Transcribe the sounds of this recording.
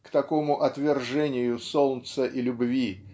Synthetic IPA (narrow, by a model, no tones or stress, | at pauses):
kt̪ɐko̞mʊʔɐt̪vʲɪrʐɛnʲɪjʊsolˠt̪səʔilʲʊbvʲi